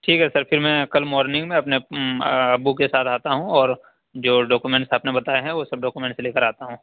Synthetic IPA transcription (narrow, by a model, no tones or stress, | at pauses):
ʈʰiːkɦɛsɐɾfʰɪɾmɛ̃ːkɐlmɔːɾnɪ̃ŋɡmẽɐpne | ɐbukesaːt̪ʰaːt̪aɦũɔːɾ | d͡ʒoːɖɔːkumɛ̃ːɳʈsaːpnebɐt̪aːeɦɛ̃ʋoːsɐb̚ɖɔːkumẽɳʈseleːkəɾaːt̪aɦũː